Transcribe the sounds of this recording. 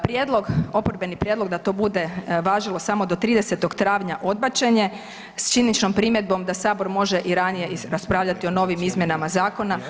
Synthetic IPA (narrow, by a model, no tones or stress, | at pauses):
pɾjed̪lˠo̞ɡo̞poɾbe̞nipɾjed̪lo̞ɡd̪at̪o̞ːbud̪e̞ʋaːʒilˠo̞samo̞d̪o̞t̪ɾiːd̪ese̞t̪o̞ɡt̪ɾaːʋɲaʔo̞d̪̚bat͡ʃe̞ɲe̞ | st͡ʃinnit͡ʃno̞mpɾimjed̪̚bo̞md̪asaːbo̞ɾmo̞ʒeʔiɾanije̞ɾaspɾaːʋʎat̪io̞no̞ʋimizmje̞namazaːko̞na